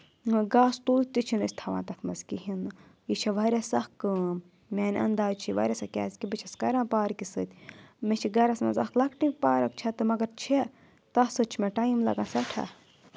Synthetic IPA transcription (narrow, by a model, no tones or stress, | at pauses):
ɡaːst̪uːt̪it͡ʃʰinisʲt̪ʰɐʋã̰ːnt̪ɐt̪ʰmɐzkiɦin | jit͡ʃʰɐʋɐɾʲesɐxkɨm | mʲeːnʲɐ̰nd̪aːt͡ʃʰiʋɐ̰ɾʲesɐkʲa̰ːzkʲibɨt͡ʃʰɐskɐɾãːpaːɾkisɨt̪ʲmet͡ʃʰiɡɐɾɐsmɐ̰zɐ̰klɐkʈipaːɾɐkt͡ʃʰɐt̪ɨmɐɡɐɾt͡ʃʰe | t̪ɐsɨt͡ʃʰimeʈaːimlɐ̰ɡãːsɐʈʰɐ̰